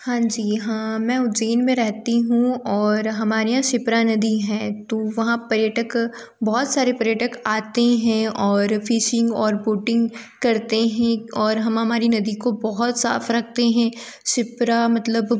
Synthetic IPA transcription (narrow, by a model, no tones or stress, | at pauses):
hãːd͡ʒiːɦãːmɛ̃ːʊt̪d͡ʒeːnmẽɾɛɦt̪iɦũɔːɾɦɐmaːɾeɦãʃɪpɾanɐd̪iɦɛ̃ːt̪oːʋɐɦãpɐɾjəʈək | bɔɦɔt̪saːɾepɐɾjəʈəkaːt̪eɦɛ̃ɔːɾfiːʃɪ̃ŋɡɔːɾboːʈɪ̃ŋɡkɐɾt̪eɦɛ̃ɔːɾɦɐmɦɐmaːɾinɐd̪ikobɔɦɔt̪sa̰ːfɾɐk̚ʰt̪eɦɛ̃ | ʃɪpɾamɐt̪ləb